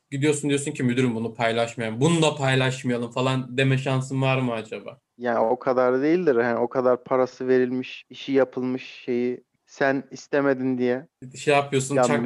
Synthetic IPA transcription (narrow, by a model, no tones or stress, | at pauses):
ɟid̪ijo̞sund̪ijosuncʰimyd̪yɾymbunupʰajlˠaʃmajaɯmbunud̪apʰajlˠaʃmajalˠɯmfalˠand̪e̞mɛʃansɯnvaɾmɯad͡ʒabaː | jaːnio̞kʰad̪aɾd̪ejilʲd̪iɾhanio̞kʰad̪aɾpʰaɾasɯve̞ɾilʲmiʃiʃijapʰɯlˠmɯʃːe̞ji | sænist̪ʰemed̪ind̪ijɛʃejapʰɯjo̞sunt͡ʃak